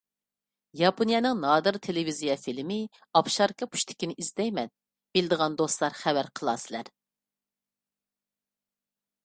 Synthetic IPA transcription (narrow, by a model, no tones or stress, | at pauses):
jɑpʰonijɑnɨŋnɑːd̪ɨɾt̪ʰelɪvizijɛfilmɪ | ɑpʃɑɾkʰɑpʰu̥ʃt̪ʰɪ̥kʲinɪʔizd̪ɛjmɛn | b̥ɪlɪd̪əʁɑnd̪oslˠɑɾχævæɾqʰəlˠɑ̰ːsɪlæɾ